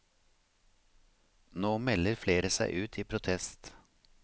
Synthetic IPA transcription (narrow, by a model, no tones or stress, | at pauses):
noːmɛləɾfleːɾəsæɪʔʉːt̪ʰiːpʰɾʊt̪ʰɛst̪